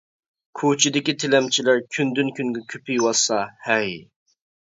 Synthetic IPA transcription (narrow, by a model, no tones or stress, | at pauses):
kʰut͡ʃʰid̪ɪkʲit̪ʰɪlɛmt͡ʃʰilæɾkʲʰynd̪ynkʲʰyŋɡʲɛkʲʰøpijwɑsɑhɛj